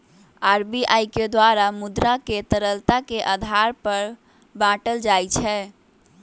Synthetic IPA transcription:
aɾbiʔajked̪waɾamud̪ɾaket̪əɾəlt̪akeʔad̪ʱaɾpəɾ | bãʈəld͡ʒajt͡ʃʰɛ

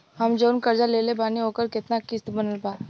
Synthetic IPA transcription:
ɦɐmd͡ʒəːnkɐɾd͡ʒaleːlebaːniɦoːkəɾkɪt̪nakist̪bənəlbaː

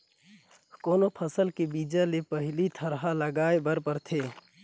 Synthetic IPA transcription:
koːnopʰəsəlkebiːd͡ʒalepəɦɪlit̪ʰəɾɦaləɡaːebəɾpəɾt̪ʰeː

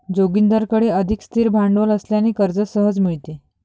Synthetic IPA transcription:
d͡zoɡind̪əɾkəɽeəd̪ʱikst̪ʰiːɾbʱaɳɖʋələsljaneːkəɾd͡zəsəɦəd͡zmiɭt̪e

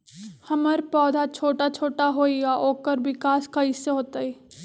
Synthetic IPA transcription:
hɐməɾpɔːd̪ʱat͡ʃʰoːʈat͡ʃʰoːʈaɦoːiɡaʔoːkəɾwɪkaːskaiseɦoːt̪ai

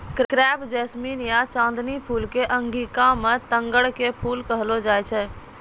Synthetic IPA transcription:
kkɾɛbd͡ʒɛsminijat͡ʃãːnd̪nipʰuːlkeʔəŋɡikãmet̪ə̃ŋɡəɽkepʰuːlkəɦlod͡ʒaːɛt͡ʃʰɛ

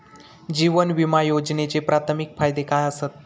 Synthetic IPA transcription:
d͡ʑiʋənʋimajod͡ʑnet͡sepɾat̪ʰmikfajd̪ekajəsət̪̚

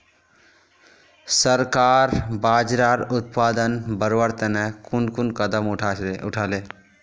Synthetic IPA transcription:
səɾkaːɾbaːd͡ʒɾaːɾʊt̪̚paːd̪ənbəɾʋəɾt̪ənɛkʊnkunkəd̪əmʊʈʰaʊʈʰaːle

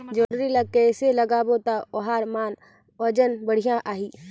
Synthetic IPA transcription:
d͡ʒəɽɾiləɡ̚keɪseləɡaːbot̪aoɦaːɾmaːn | əd͡ʒənbəɽ̤ijãʔaːɦiː

